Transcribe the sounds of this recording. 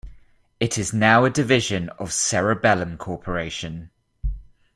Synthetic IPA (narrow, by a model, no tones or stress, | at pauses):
ɪtʰɪznaʊədɪvɪʒə̃nə̰v̥sɛɹəbɛlə̃mkʰɔˑpʰəɹeɪʃə̃n